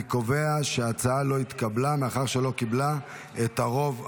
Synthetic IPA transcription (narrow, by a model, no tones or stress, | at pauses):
ko̞ve̞aʃeat͡saalo̞it̪kablameaχaʁʃe̞lo̞kibla | et̪aʁo̞v